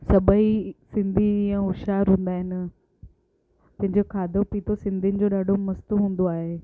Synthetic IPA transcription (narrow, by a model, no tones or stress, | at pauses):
sɐbʱəisɪ̃nd̪ʱiɛ̃ːʊʃaːɾɦũːn̆d̪aːɦɪnɪ̆ | pɐ̃ɦɪ̃ɲd͡ʑokʰaːd̪ʱopiːt̪ʰosɪ̃nd̪ʱiənɪ̆d͡ʑoːɗaːɖʱomɐst̪ʊɦũːn̆d̪oaːɦeː